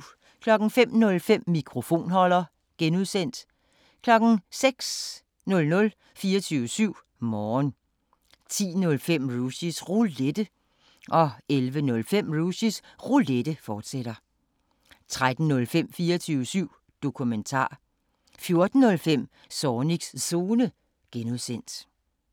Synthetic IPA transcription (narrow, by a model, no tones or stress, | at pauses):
kʰlɒ̽ɡ̥n̩fem̰nɔ̽lfem̰mikʰʁo̝fo̝̰ːnɦɒ̽lɐ | ɡ̥enuð̰ˠsen̰d̥ | kʰlɒ̽ɡ̥n̩seɡ̥s | nɔ̽lnɔ̽l | fiːɐt͡sʰyːəsyʊ̰ | mɒːn | t͡sʰḭːnɔ̽lfem̰ʁuɕisʁuled̥ə | ʔɒ̽elʋənɔ̽lfem̰ʁusisʁuled̥əfɒːd̥sed̥ɐ | t͡sʰʁad̥n̩nɔ̽lfem̰fiːɐt͡sʰyːʊəsyʊ̰ | d̥o̝kʰument͡sʰɑ̰̈ː | fjo̝ɐd̥n̩ːɔ̽lfem̰ | sɒːniɡ̥sso̝ːnə | ɡ̥enuðˠsen̰d̥